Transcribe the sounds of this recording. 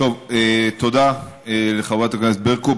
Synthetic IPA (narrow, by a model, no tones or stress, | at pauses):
t̪ovet̪od̪a | eleχavuat̪akaneset̪̚beʁko